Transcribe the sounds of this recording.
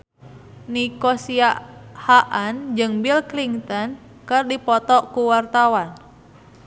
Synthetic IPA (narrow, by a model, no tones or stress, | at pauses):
nikɔsiahaʔand͡ʒɨŋbilkliŋt̪ɔn | kɨrdipɔt̪ɔkuwart̪awan